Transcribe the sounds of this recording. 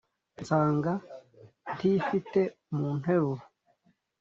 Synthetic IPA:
nt͡saːŋɡa | ntifite̞ | muːn̥he̞ɾuɾu

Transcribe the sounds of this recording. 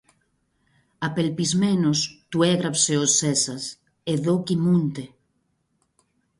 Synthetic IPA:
apelpizmenost̪ueɣɾapseosesas | eðokimunt̪e

